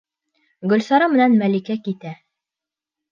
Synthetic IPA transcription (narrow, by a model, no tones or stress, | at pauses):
ɡɵ̆lsɑɾɑmɘ̆nænmælikækit̪æ